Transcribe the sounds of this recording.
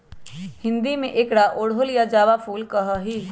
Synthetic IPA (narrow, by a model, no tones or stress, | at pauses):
hɪ̃nd̪imẽʔɪkɽaʔoːɽɦoljad͡ʒaːʋapʰuːlkɐɦaɦiː